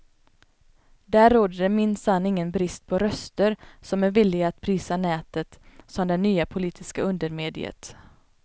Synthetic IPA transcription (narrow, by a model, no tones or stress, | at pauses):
d̪æːɾːoːd̪əɖɛmɪnsanːɪŋːənbɾɪst̪̚pʰɔɾœst̪əɾsɔmæɾvɪlːɪɡaːt̪pʰɾiːsanɛːt̪ət̪sɔmd̪ɛnyːapʰʊliːt̪ʰɪskaɵnd̪əɾmeːd̪ɪ̰ə̰t̪